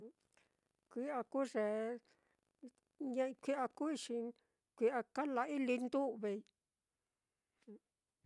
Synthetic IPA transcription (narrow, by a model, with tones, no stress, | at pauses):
kʷi˦a˧ku˦ʐe˨ | ɲẽ˦˧kʷi˦ʔa˧ku˦i˧ʃi˧ | kʷi˧ʔa˧ka˦la˧i˦li˧nd̪u˦˧βe˧i˧